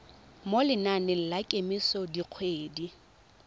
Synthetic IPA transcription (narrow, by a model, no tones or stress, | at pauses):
molɪnanɪl̩lakʼemisɔdiq͡χʰweːdi